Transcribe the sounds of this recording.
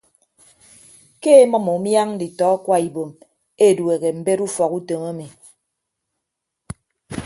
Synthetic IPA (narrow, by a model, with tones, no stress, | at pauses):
ke˦e˦mɔ˦mo˨˦mja˦ŋ˦di˨tɔ˨˦kwa˦i˨bo˨m | e˦˨dwe˨ɣe˨m̩˨be˦ɾu˦fɔ˨ku˦to˨ŋa˦mi˨